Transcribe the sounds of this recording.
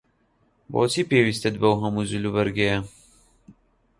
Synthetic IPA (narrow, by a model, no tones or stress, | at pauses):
bɔ̰ːt͡siːpeːwist̪ɐd̪̚bɐwɦɐmuzulubɐɾɡɛjɐ